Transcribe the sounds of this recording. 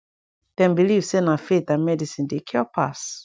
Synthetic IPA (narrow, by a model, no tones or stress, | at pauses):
d̥ɛ̃nbilivsenafet̪ãnmɛdisĩndekʰɔpʰa̰s